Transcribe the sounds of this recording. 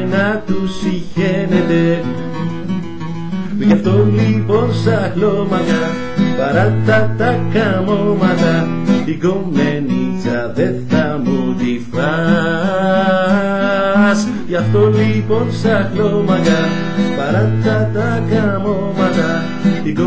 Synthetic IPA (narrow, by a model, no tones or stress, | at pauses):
jnat̪usiçenet̪e | wiçaft̪oliponsaɣlomaɣa | paɾat̪at̪akamomat̪a | liɣomenit͡saðetamutifɾa | s | jaft̪oliponsaklomaɣa | paɾat̪at̪akamo | mat̪a | liko